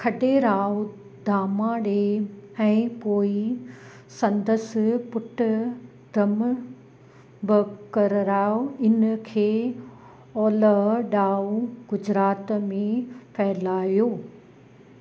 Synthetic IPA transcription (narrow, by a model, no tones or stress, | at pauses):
kʰɐɗeɾaːo | d̪ʱaːmãːɽeɛ̃ːpoːi | sɐ̃nd̪əspʊʈʊ | d̪ʱɐm | bʊkɐɾɾaːoɪnkʰeː | ɔːləɦɗaːoɡʊd͡ʑɾaːt̪mẽpʰɛɦlaːijoː